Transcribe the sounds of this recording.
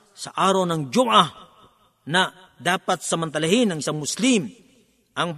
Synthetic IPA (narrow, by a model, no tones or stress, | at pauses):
sɐʔaːɾownɐŋd͡ʒuʔa | na | d̪aːpat̪̚sɐmant̪ɐlaɦɪnɐŋɪisaŋmʊslim | ʔɐŋ